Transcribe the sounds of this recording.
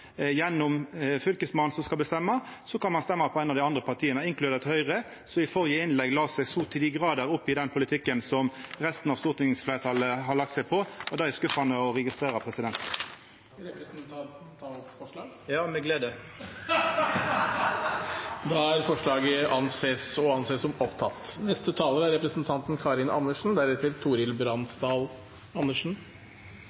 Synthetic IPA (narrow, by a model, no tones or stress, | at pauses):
jɛnːʊmfʏlkəsmɑnsɔmskɑlbəst̪ɛmːɑsɔkʰɑnmɑnst̪ɛmːɑpʰɔæɪnɑʋd̪ɪɑnd̪ʁəpʰɑʁt̪ʰiːənəɪŋklʉeːdət̪hœʏʁə | sɔɪfɔʁjəɪnlɛɡlɑːsɛɡsuːt̪ʰːɪd̪iɡʁɑːd̪əɾʊpːɪd̪ɛnpʰʊlɪt̪ʰɪkːənsɔmʁɛst̪n̩ɑʋst̪uːʁt̪ɪnɪŋsfleːɾət̪ʰɑləɦɑlɑk̚t̪sɛɪpʰɔɔd̪æːɛskʉfɑnəɔʁɛɡɪst̪ʁeːʁɑpʰʁɛsɪd̪ɛnt̪ | ɾpɾʰ | fɔʂlɑːɡ | jɑːmɛɡleːd̪ə | d̪ɑæɾfɔʂɭɑːɡəʔɑnseːsɔɑnseːsɔmɔpt̪ʰɑt̪ːnɛst̪ət̪ʰɑːləɾəæɾɛpɾəsnt̪ʰɑnt̪nkʰɑːɾɪnʔɑ̰nːəʂn̩d̪æɾət̪ɪlt̪ʰuːɾɪlbɾɑnsd̪ɑːl | ɑnːəʂn̩